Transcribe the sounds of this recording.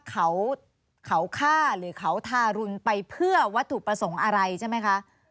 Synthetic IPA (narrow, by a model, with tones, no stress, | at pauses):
kʰa˨˩˦w | kʰa˨˩˦wkʰaː˥˩ɾɯː˩˦kʰa˨˦wt̪ʰaː˧˩ɾu˧npa˧jpʰɯ˥˩ɐwa˦˥t̪ʰːu˨˩k̚pɾa˧so˩˦ŋʔa˧ɾa˧jt͡ɕʰa˥˩ma˦˥jkʰa˦˥ʔ